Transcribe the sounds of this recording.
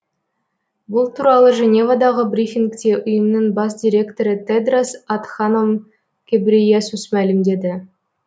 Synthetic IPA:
bʊlˠt̪ʰuɾɑlˠəʒe̞nʲe̞vad̪ɑʁəbrʲifʲiŋkt̪ʲe̞ʔʊjəmnəɴbɑs̬d̪ʲiɾʲe̞kt̪o̞ɾət̪ʰed̪rasat̪χanom | ɡ̥ʲebrʲijesusmælɪmd̪e̞d̪ɪ

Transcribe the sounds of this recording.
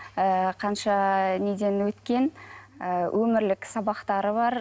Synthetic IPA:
əqʰɑnʃɑned̪e̞nwɵt̪kʲe̞nəwʔɵmɪɾlɪksɑbɑqt̪ɑɾəbɑɾ

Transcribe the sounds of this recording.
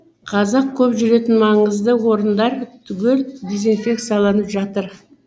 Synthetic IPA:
qʰɑzɑq̚kʲʰɵpʒʏɾe̞t̪ɪnmɑɴəzd̪əwo̞ɾənd̪ɑɾt̪ʰʏɡʲe̞ld̪e̞zinfʲe̞k̚t̪sijalˠɑnəpʒɑt̪əɾ

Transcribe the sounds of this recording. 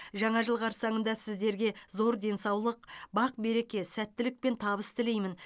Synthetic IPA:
ʒɑɴɑʒəlˠʁɑɾsɑɴənd̪ɑsɪzd̪e̞ɾɡʲe̞zo̞ɾd̪e̞nsɑwlˠəq̚bɑq̚be̞ɾe̞kʲe̞sæt̪ːɪlɪk̚pe̞nt̪ʰɑbəst̪ʰɪle̞jmɪn

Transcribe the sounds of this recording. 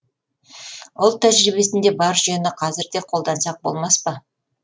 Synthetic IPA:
ʊlˠt̪ʰæʒɾibe̞sɪnd̪e̞bɑɾʒijənəqʰɑzɪɾd̪eqʰo̞lˠd̪ɑnsɑq̚bo̞̰lˠmɑspɑ

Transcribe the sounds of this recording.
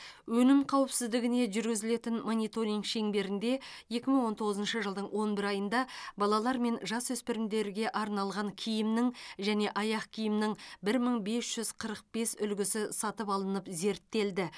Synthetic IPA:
wɵnɪmqʰɑwɪpsɪzd̪ɪɡʲɪne̞ʒʏɾɡʲɪzɪle̞t̪ɪnmonijt̪o̞ɾijŋkʃe̞ŋbe̞ɾɪnd̪e̞je̞kʲɪməɴwo̞nt̪ʰo̞ʁəzənʃəʒəlˠd̪əɴwo̞nbɪɾɑjənd̪ɑbɑlˠɑlˠɑɾme̞nʒɑswɵspeɾɪmd̪e̞ɾɡʲe̞ʔɑɾnɑlˠʁɑŋkʲʰijɪmnɪŋʒæne̞ʔɑjɑqkʲʰijɪmnɪŋbɪɾməɴbe̞sʒ̥ʏzqʰəɾəq̚be̞sʏ̰lɡʲɪsɪsɑt̪əpɑlˠənəpze̞ɾt̪ːe̞ld̪ɪ

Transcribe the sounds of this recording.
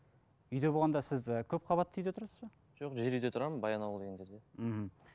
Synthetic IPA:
ʏjd̪e̞bolˠʁɑnd̪ɑsɪzəkʲʰɵp̚qʰɑβɑt̪ːʏjd̪e̞t̪ʰʊɾɑsəzbɑ | ʒo̞qʒe̞ɾyjd̪e̞t̪ʰʊɾɑmənbɑjɑnɑwlˠd̪eɡʲend͡ʒeɾd̪em̩hm̩

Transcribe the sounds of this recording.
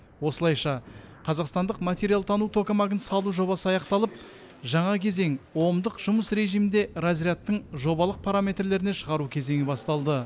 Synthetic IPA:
wo̞səlˠɑjʃɑqʰɑzɑqst̪ɑnd̪əqmat̪e̞ɾialˠt̪ʰɑnut̪ʰo̞kamaɡənsɑlˠuʒo̞βɑsəɑjɑqt̪ɑlˠəp̚ | ʒɑɴɑkʲʰe̞ze̞ŋwo̞md̪əqʒ̥ʊməsɾe̞ʒijmɪnd̪e̞razɾijat̪ːəɴʒo̞bɑlˠəq̚pʰaɾamʲe̞t̪rle̞ɾɪne̞ʃəʁɑɾukʲʰe̞ze̞ŋɪbɑst̪ɑlˠd̪ə

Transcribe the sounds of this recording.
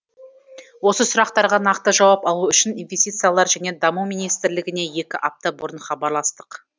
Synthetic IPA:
wo̞səsʊɾɑqt̪ɑɾʁɑnɑqt̪əʒɑwɑpɑlˠuʏʃɪninve̞st̪it̪sɨjalˠɑɾʒæne̞d̪ɑmuminijst̪ɪɾlɪɡʲɪne̞je̞kʲɪʔɑp̚t̪əbʊɾənχɑbɑɾlˠɑst̪ə̥q

